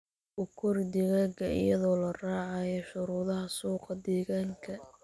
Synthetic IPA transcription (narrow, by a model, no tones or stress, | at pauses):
ʔʊkʰʊrd̪ɪɣaɡɐɪ̰jɐðɔːlɐraːʕɑjɔʃʊɾuːðɐɦɐsuːqɑd̪ɛːɣaːŋkʰɐ